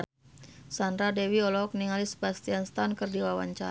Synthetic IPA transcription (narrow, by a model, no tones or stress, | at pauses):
sand̪ɾadɛwiɔlɔk̚niŋalisə̥bast̪ianst̪ankɨrdiwawa̰ɲt͡ʃa